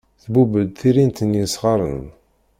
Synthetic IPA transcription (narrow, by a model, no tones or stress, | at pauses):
θbubəd̪θiɾint̪ənjisʁɑɾˤən